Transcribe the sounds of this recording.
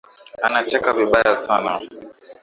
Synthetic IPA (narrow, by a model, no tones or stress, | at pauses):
anat͡ʃɛkaviɓajasana̰